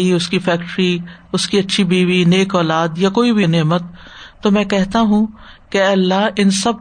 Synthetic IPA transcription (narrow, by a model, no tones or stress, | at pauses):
iʊskifɛːkʈɾi | ʊskiɐtːʃʰibʱiːʋineːkɔːlaːd̪jakoːibʱineːmət̪ːomɛ̃ːkɛɦt̪aɦũkeɛːlːaɦɪnsɐb̚